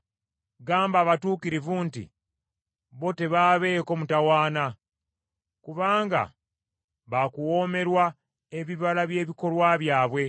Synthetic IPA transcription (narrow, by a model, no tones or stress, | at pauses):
ɡaːmbaːβatuːkiɾivuːntḭ | βo̞te̞βaːβe̞ːko̞mutawaːna | kuβaːŋɡa̰ | βakuwo̞ːme̞ɾwa | e̞βiβalaβje̞ːβiko̞lwaβjaːβwe̞